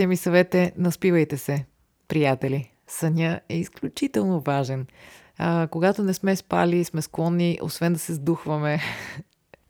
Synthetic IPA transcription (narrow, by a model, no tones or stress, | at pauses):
ɛmisɐvɛt̪ɛnɐspivəjt̪ɛsɛ | pɾijat̪ɛli | sɐnʲəɛisklʲut͡ʃit̪ɛlˠnovaʒɛn | koɡat̪onɛsmɛspa̰lismɛsklˠɔnːiʔo̰svɛnd̪ɐsɛzd̪uxvɐmɛ